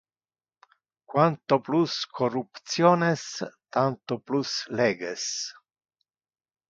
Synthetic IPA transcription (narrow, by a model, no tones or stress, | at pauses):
kwant̪opluskʰorupt̪sjoːnest̪ant̪oplusleːɡes